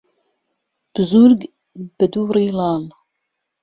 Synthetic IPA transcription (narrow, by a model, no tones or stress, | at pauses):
b̥ɨzuɾɡ | b̥ɨd̪uːɾiːlɑːl